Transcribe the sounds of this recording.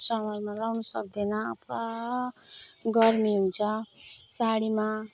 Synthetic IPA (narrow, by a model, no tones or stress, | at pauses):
sʌmʌrmalawnʌsʌk̚d̪enʌːpʰɾa | ɡʌrmiɦunt͡sʰʌsaɽima